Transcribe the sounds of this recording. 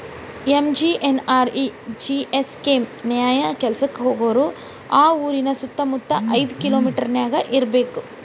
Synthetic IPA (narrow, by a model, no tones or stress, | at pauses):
emd͡ʒiːʔenaːɾid͡ʒiʔeskemnjaːjɐkɛlsɐkːeɦoːɡoːɾu | aːuːɾinɐsut̪ːɐmut̪ːɐʔɐjd̪ukiloːmiːʈɐɾnjaːɡɐʔiɾbe̞ːku